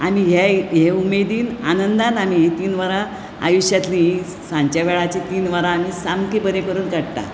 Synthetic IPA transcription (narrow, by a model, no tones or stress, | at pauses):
amiɦeɦeumed̪iːnanənd̪anam̤iɦet̪iːnʋaɾa | a̰juɕjat̪li | sãɲt͡ɕjaʋɛɭat͡ɕet̪iːnʋəɾaːm̤iːsamkepəɾekəɾuːnkaɽt̪a̰